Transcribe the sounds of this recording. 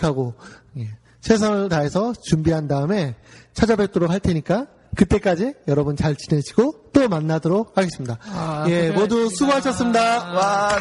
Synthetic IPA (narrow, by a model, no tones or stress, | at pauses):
kʰaɡoje | sʰe̞s̬ʰaŋɯɭtae̞sʰʌt͡ɕumbiɦandaɯme̞t͡ɕʰad͡ʑʌbet͈ʰoɾok̚haɭtʰe̞ɲik͈a | kɯt͈e̞k͈ad͡ʑijʌɾʌbɯnt͡ɕaɭt͡ɕine̞d͡ʑʰiɡot͈omanːadʌɾok̚haɡe̞s͈ɯmɲidaje̞modusʰuɡoɦaɕʰʌs͈ɯmɲidawa